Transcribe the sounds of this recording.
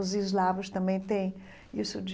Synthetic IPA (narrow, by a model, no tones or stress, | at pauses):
ʊzizlavʊst̪ɐ̃mbẽj̃t̪ẽj̃ | isʊd͡ʒ